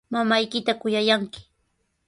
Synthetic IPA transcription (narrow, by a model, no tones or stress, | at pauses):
mamajkɪt̪akʊjajaŋkɪ̥